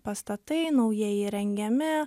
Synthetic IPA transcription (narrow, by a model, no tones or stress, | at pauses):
pɐst̪ɐt̪ɐɪnɐʊjɛjɪɾʲɛŋʲɡʲɛmʲɪ